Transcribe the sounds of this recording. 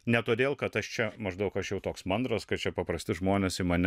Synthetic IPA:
nʲɛt̪oːd̪ʲeːlˠkɐt̪ɐʃt͡ʃʲɛmɐʒd̪ɐʊkɐʃjɛʊt̪oːksmɐnd̪ɾɐskɐtt͡ʃʲɛpɐpɾɐsʲt̪ʲɪʒmoːnʲɛsɪmɐnʲɛ

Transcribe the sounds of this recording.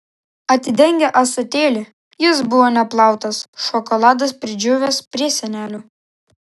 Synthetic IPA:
ɐt̪ʲɪd̪ʲɛŋʲɡʲɛʔɐsʊt̪ʲeːlʲɪ | jɪs̬bʊʋoːnʲɛplˠɑˑʊt̪ɐsʃɔkɔlˠɑːd̪ɐspʲɾʲɪd͡ʒʲʊʋʲespʲɾʲiɛsʲɛnʲæːlʲuː

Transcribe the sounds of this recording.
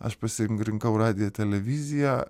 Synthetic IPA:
ɐ̰ʃpɐsʲɪŋkɾʲɪŋkɐʊrɑːd̪ʲɪjoːt̪ʲɛlʲɛʋʲɪzʲɪjæ

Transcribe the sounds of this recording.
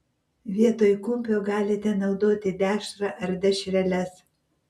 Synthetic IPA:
ʋʲiɛt̪oːjkʊmʲpʲoːɡɑːlʲɪt̪ʲɛnɐʊd̪oːt̪ʲɪd̪ʲæːʃɾɐʔɐɾd̪ʲɛʃʲɾʲɛlʲɛs

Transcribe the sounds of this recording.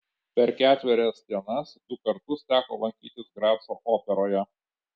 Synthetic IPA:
pʲɛɾkʲæːt̪ʲʋʲɪɾʲɛsd̪ʲiɛnɐsd̪̥ʊkɐɾt̪ʊst̪ʲæːkoːlˠɐŋʲkʲiːt̪ʲɪsɡɾɑːpsoːʔoːpʲɛɾoːjɛ

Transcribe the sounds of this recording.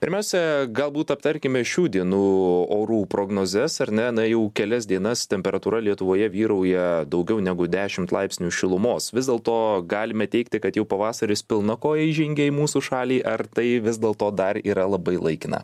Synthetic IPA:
pʲɪ̰ɾʲmʲɛʊsʲɛɡɐlˠbuːt̪ɐp̚t̪ɐɾʲkʲɪmʲɪʃʲuːd̪ʲiɛnuːoːɾuːpɾoːɡnoːzʲɛsɐɾʲnʲɛnɐjɛʊkʲɛlʲɛsd̪ʲiɛnɐst̪ʲɛmʲpʲɛɾɐt̪uːɾɐlʲiɛt̪ʊʋoːjɛʋʲiːɾɐʊjɛd̪ɐʊɡʲɛʊnʲæɡʊd̪ʲæːʃʲɪmt̪lˠɐɪpʲsʲnʲuʃʲɪlˠʊmoːsʋʲɪzd̪ʲɛːlˠt̪oːɡɑːlʲɪmʲɛt̪ʲɛɪkt̪ʲɪkɐt̪jɛʊpɐʋɑːsɐɾʲɪspʲɪlˠnɐkoːjɛiʒʲɪŋʲɡʲɛiːmuːsuːʃɑːlʲiːʔɐrt̪ɐɪʋʲɪzd̪ʲɛːlˠt̪oːd̪ɐɾiːɾɐlˠɐbɐɪlˠɐɪkʲɪnɐ̰

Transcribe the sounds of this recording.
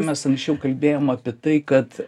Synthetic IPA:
mʲɛsɐŋksʲt͡ʃʲɛʊkɐlʲbʲeːjoːmɐpʲiɛt̪ɐɪkɐt̪

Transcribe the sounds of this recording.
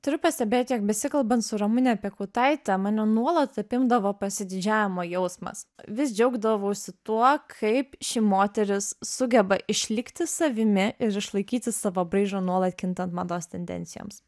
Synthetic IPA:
t̪ʊɾʲʊpɐsʲt̪ʲɛbʲeːt̪ʲjɛk̚bʲɛsʲɪkɐlˠbɐnt̪sʊɾɐmʊnʲɛɐpʲɛkʊːt̪ɐɪt̪ʲɛmɑːnʲonuɔlˠɐt̪ɐpʲɪmd̪ɐʋoːpɐsʲɪd̪ʲɪd͡ʒʲæːʋʲɪmoːjɛʊsmɐ̰sʋʲɪs̬d͡ʒʲɛʊɡd̪ɐʋɐʊsʲɪt̪uɔkʰɐɪpʃʲimoːt̪ʲɛɾʲɪssʊɡʲɛbɐʔɪʃʲlʲɪkt̪ʲɪsɐʋʲɪmʲɪɪɾɪʃlˠɐɪkʲiːt̪ʲɪssɑʋoːbɾɐɪʒoːnuɔlˠɐt̪kʲɪnt̪ɐnt̪mɐd̪oːst̪ʲɛnʲd̪ʲɛ̰nʲt̪sʲɪjo̰ːms

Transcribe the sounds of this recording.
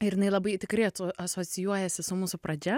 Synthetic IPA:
ɪɾjɪnɐɪlˠɐbɐɪt̪ʲɪkɾɐɪɐt̪ːʔɐsoːsʲɪjuɔjɛsʲɪsʊmuːsʊpɾɐd͡ʒʲɛ

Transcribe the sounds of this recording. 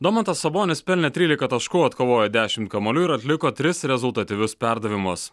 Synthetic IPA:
d̪omɐnt̪ɐsɐboːnʲɪspʲɛlʲnʲɛt̪ʲɾʲiːlʲɪkɐt̪ɐʃkuːɐt̪koːʋoːjɛd̪ʲæːʃʲɪmt̪̚kɐmɐlʲuːɪɾɐt̪ʲlʲɪkoːt̪ʲɾʲɪsɾʲɛzʊlˠt̪ɐt̪ʲɪʋʲʊspʲæɾd̪ɐʋʲɪmʊs

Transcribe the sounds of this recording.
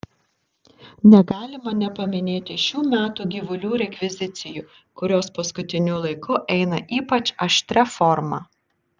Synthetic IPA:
nʲɛɡɑːlʲɪmɐnʲɛpɐmʲɪnʲeːt̪ʲɪʃʲuːmʲæːt̪uːɡʲiʋʊlʲuːɾʲɛkʲʋʲɪzʲɪt̪sʲɪjuː | kʊɾʲoːspɐskʊt̪ʲɪnʲulˠɐɪkʊʔɛɪnɐʔiːpɐt͡ʃɐʃʲt̪ʲɾʲɛfɔɾmɑ̰ː

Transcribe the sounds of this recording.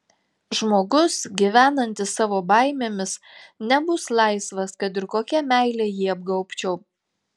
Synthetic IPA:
ʒmoːɡʊsɡʲiʋʲæːnɐnʲt̪ʲɪsːɑːʋoːbɑˑɪmʲeːmʲɪs | nʲɛbʊslˠɑˑɪsʋɐskɐt̪ɪɾkoːkʲɛmʲæˑɪlʲeːjiːɐb̚ɡɐʊpʲt͡ʃʲɛʊ

